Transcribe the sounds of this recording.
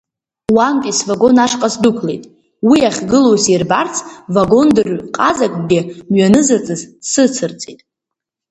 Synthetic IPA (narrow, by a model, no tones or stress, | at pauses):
wankʲʼisvaɡo̞naʂqʼasdukʷʰlejtʼ | wiaχʲɡɨlowsirbart͡sʰvaɡo̞ndɨrqʼazakʷʼɡʲɪmɥanɨzat͡sʼɨzsɨt͡sʰɨrt͡sʼitʼ